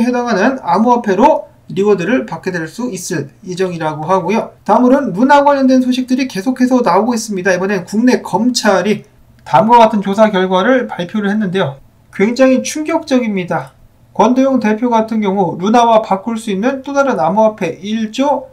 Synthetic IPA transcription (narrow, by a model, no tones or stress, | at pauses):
ɦwedaŋɦanɯnamuapʰe̞ɾo | ɾiɡʌdɯɾɯɭpak͈edweɭs͈uis͈ɯɭid͡ʑʌŋiɾaɡoɦaɡojotaɯmɯɾɯnːunaɡwaɲːʌndwe̞nsʰoɕʰik̚t͈ɯɾike̞sʰokʰe̞sʰʌnaoɡois͈ɯmɲidaibʌne̞nkuŋne̞kʌmt͡ɕʰaɾi | tamɡʌk͈atʰɯnt͡ɕosʰakjʌɭɡwaɾɯɭpaɭpʰjoɾɯɭhe̞nːɯnde̞jo | kwe̞ŋd͡ʑaŋɦit͡ɕʰuŋɡjʌk̚t͡ɕ͈ʌɡimɲida | kwʌndojoŋte̞pʰjoɡatʰɯnɡjʌŋuɾunawapakʰuɭs͈uinnɯnt͈odaɾɯnamuapʰe̞iɭt͡ɕ͈o